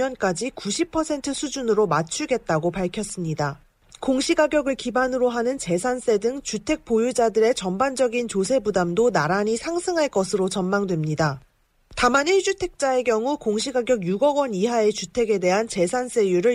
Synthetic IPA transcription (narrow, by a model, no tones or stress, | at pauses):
ʌnk͈ad͡ʑikuɕʰipʰʌsʰe̞ntʰɯsʰud͡ʑunɯɾomat͡ɕʰuɡe̞t̚t͈aɡopaɭkʰjʌs͈ɯmɲida | koŋɕʰiɡaɡjʌɡɯɭkibanɯɾoɦanɯnt͡ɕe̞sʰans͈e̞dɯŋt͡ɕutʰe̞k̚p͈ojud͡ʑadɯɾe̞t͡ɕʌmband͡ʑʌɡint͡ɕosʰe̞budamdonaɾaɲisʰaŋsʰɯŋɦaɭk͈ʌsʰɯɾot͡ɕʌnmaŋdwe̞mɲida | tamaniɭɕ͈utʰe̞k̚t͡ɕ͈ae̞kjʌŋukoŋɕ̬ʰiɡaɡjʌɡjuɡʌɡwʌniɦae̞t͡ɕutʰe̞ɡe̞de̞ɦant͡ɕe̞sʰans͈e̞juɾɯ